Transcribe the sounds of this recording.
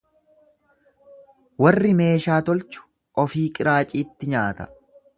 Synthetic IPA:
wɐrːɪme̞ːʃaːt̪ɔlt͡ʃʊ̥ | ʔɔfiːkʼɪɾaːt͡ʃʼiːt̪ːɪɲaːt̪ɐ̥

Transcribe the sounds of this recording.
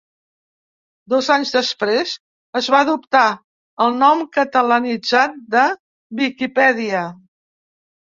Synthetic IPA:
d̪ɔzaɲzðəspɾez | əzβaəðupt̪a | əlˠnɔmkət̪ələnid͡zat̪̚d̪ə | βikipɛðiə

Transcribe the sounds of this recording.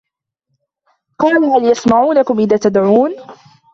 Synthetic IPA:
qɑːlahaljasmaʕuːnakʊmʔɪðaːt̪ad̪ʕuːn

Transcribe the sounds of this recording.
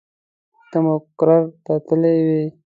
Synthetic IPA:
t̪amokɾaɾt̪at̪əlewi

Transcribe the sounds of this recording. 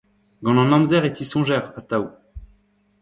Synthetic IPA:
ɡɑ̃nɑ̃nɑ̃mzɛʁet̪isɔ̃ʒɛʁat̪au

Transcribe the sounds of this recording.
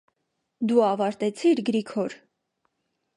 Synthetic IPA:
d̪uɑvɑɾt̪ɛt͡sʰiɾɡəɾikʰɔɾ

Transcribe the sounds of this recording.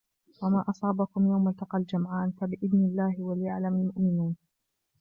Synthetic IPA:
wamaːʔɑsˤɑːbakʊmjawmalt̪ɑqɑld͡ʒamʕaːnfabɪʔɪðnɪlːaːhɪwalɪjaʕlamalmʊʔmɪnuːn

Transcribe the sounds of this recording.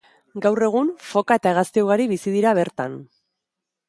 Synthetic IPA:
ɡawre̞ɣ̞unfo̞kae̞t̪ae̞ɣ̞ast̪euwɣaɾiβisiðiɾaβ̞e̞ɾt̪a̰n

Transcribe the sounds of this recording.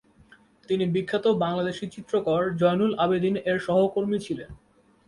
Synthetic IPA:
t̪inibikʰːat̪obaŋlad̪eʃit͡ɕit̪ːɾokɔɾd͡ʑɔjnulʔabed̪ineɾʃɔɦokoɾmit͡ɕʰilen

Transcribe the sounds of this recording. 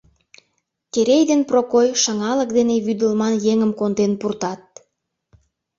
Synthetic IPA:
keɾejd̪enprokojʃəŋɑlə̆k̚d̪eneβyd̪əlmɑnjeŋəmkond̪enpurt̪ɑt̪̚

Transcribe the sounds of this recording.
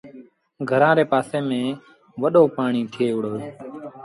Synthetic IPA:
ɡʱəɾãːɾeːpaːsẽːmẽː | ʋəɗoːpaːɳiːt̪ʰɪeːʊɽoː

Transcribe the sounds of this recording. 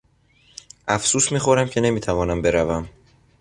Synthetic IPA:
ʔæfsuːsmiːxo̞ɾæmcʰe̞ne̞miːt̪ʰævɒːnæmbe̞ɾævæm

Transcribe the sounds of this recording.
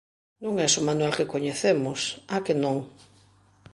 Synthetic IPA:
nõŋɛsʊmanwalkekoɲeθemʊsakenõŋ

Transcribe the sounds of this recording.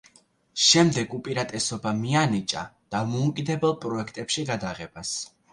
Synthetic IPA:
ʃɛmd̪ɛɡupʼiɾat̪ʼɛsɔbamianit͡ʃʼa̰d̪̥amɔukʼid̪ɛbɛlˠpʼɾɔɛkʰt̪ʼɛpʃiɡad̪aʁɛb̥as

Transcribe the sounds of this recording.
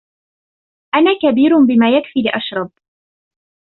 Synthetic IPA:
ʔanaːkabiːɾbɪmaːjakfiːlɪʔaʃɾˤɑb̚

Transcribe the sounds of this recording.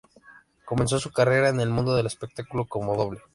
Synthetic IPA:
ko̞me̞ns̬o̞sukare̞ɾaene̞lmũnd̪o̞ðe̞le̞spe̞k̚t̪akulo̞ko̞mo̞ðo̞βle

